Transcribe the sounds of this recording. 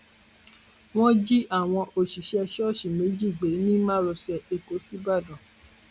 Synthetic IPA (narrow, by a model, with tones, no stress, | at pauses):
w̃ɔ̃˦d͡ʒi˦ʔa˦˨w̃ɔ̃˧ʔo˨ʃi˨ʃɛ˧ʃɔ˦˨ʃi˨me˨˦d͡ʒi˦˨ɡ͡be˨˦nĩ˦mãː˦ɾɔ˧sɛ˧e˨ko˨˦si˦ba˦˨dɔ̃˨